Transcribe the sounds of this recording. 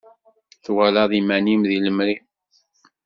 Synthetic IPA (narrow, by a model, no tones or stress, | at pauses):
θwælɑðˤimænimðiləmɾi